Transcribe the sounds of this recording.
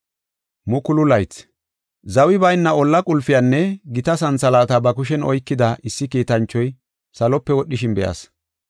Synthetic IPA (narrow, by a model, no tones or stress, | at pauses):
mʊkʊlʊlɐjt͡s | zɐwɪbɐjnːɐɔlːɐkʼʊlfɪjanːɛɡɪt̪ɐsɐnt͡sɐlaːt̪ɐbɐkʊʃ̬ɛnɔjkːɪd̪ɐʔɪsːɪkiːt̪ɐnt͡ʃːɔj | sɐlɔpːɛwɔɗːɪʃɪnbɛjʔa̰s